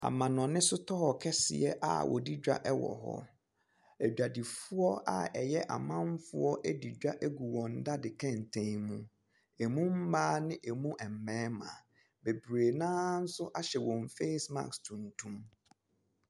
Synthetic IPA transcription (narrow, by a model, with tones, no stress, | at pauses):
a̰˨mã˨nɔ̃˨nɪ̃˦sʊ˦tʰɔ˦hɔ˨kʰɛ˦sɪ̰˨ɛ˦ʔa̰˨wʔɔ̰˨di˦d͡ʑᶣa̰˦ʔɛ˦wɔ̰˨ɦɔ̰˦˨ | æ˨d͡ʑᶣa˨di˨fʊ˦ɔ˦a̰˦ɛ˨jɛ˦ʔa̰˨mã˦m˦fʊ̰˦ɔ˦ʔɛ˦di˨d͡ʑᶣa˦ʔe˦ɡu˨wɔ̃˨n̩˦da˦dɪ˨kʰɛ̃˦n˨tʰẽ˨ŋmũ˦ | e˨mũ˦m̩˦baː˦nɪ̃˦ʔɛ˨mũ˦ʔɛ˨m̩˨mɛ̃ː˦mã̰˨ | be˨bɾe˨nãː˦n̩˦sʊ˦ʔa˦ɕɛ˨wɔ̃˨m˨fe˦sma̰˨kstʰũ˨ntʰũ˦m